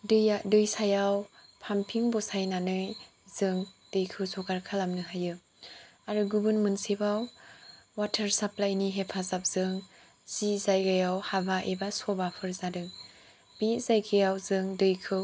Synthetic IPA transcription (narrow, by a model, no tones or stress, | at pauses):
dɯjadɯjsajawpʰampʰiŋbɔsajnanɯj | zɯŋd̥ɯjkʰɯwzʰɔkaɾkʰalamnɯɦajɯ | aɾɯɡubɯnmɯnsebaw | watʰəɾsaplajniɦepʰazap̚z̥ɯŋ | zizajɡajawhabaʔebasɔbapʰɯɾzadɯŋ | b̥itz̥ajkʰɯjawzɯŋdɯjkʰɯw